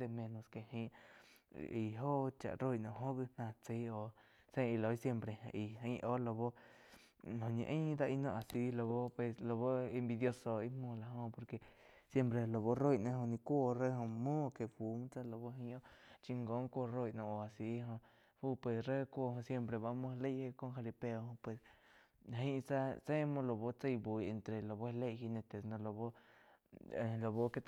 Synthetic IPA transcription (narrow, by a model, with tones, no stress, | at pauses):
d̪e˧mẽ˧nõ˧ske˨hĩː˧ʔ | i˨ɦo˦t͡ʃa̰˨ʔɾo˦jʔnõ˧˨ɦo˦bi˧nãː˧t͡si˦o˧ | sẽ˦˧˦i˧lo˨˦i˦sje˧mpɾe˧ʔi˧˨ĩː˦ʔo˦lo˧bo˦ | ɦõ˧˨ɲḛ̃˧ʔĩː˦d̪a˧ʔi˧nõ˧ʔa˨si˧˦lo˧bo˦pwe˧slo˧bo˦i˧mbi˧d̪jo˧soː˨i˦mũː˧˨la˧˨ɦõ˧po˧ɾke˧ | sje˧mpɾe˧lo˨βo˧˦ro˦jnẽ˧ɦõ˧nĩ˧kʷo˦˧re˦˧ɦõ˧mõ˦˧ke˧fu˧m˦t͡sa˦˧lo˧βo˧ɦi˧õ˦t͡ʃi˧ŋɡo˧˦ŋkʷo˦˧ro˦jnõ˧o˨a˨si˧˦ɦõ˧ | fu˦˧pwe˧sre˦˧kʷo˦˧ɦõ˧sje˧mpɾe˧βa˧mõ˧le˦jhe˧ko˧ŋxa˧li˧pe˧o˧hõ˧pwe˧s | ɦi˦˧t͡sa˦t͡se˦˧mõ˧lo˧βo˧t͡se˧jbu˨je˧nt̪ɾe˨lo˨βo˦˧le˧˨hi˧nẽ˧t̪e˧˨snõ˧lo˧βo˦˧˨ | lo˨βo˦ke˧t̪